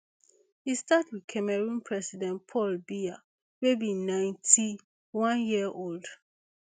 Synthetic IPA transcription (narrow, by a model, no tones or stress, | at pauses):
histatwiðkʰɛmɛɹũnpʰɹɛsidɛ̃npʰɔlbia | webĩnãɪ̃ntʰi | wãnjiəʔold̥